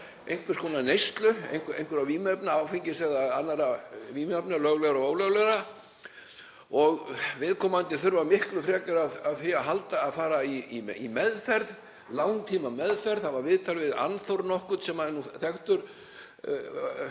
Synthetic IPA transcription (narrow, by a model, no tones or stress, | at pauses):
ejŋkvʏɾskʰɔːnanejst̪lʏḛjŋkḛjŋkvʏɾawviːmœpnaawfiɲcɪsɛɣðaanːaɾaviːmœpnalœɣlɛɣaɾɔoːwlɛɣlɛɣɾa | ɔɣvɪðkʰɔːmaant̪ɪθʏɾvamɪhklʏθɾɛːkʏɾaðaðfɪaɦalt̪aːðfaːɾaiiimɛðfɛɾð | lawnt̪ʰiːmamɛðfɛɾðθavaɾvɪðt̪ʰalvɪða̰nθowɾnɔhkʏt̪sɛmaðɛnːuθɛxt̪ʏɾ̥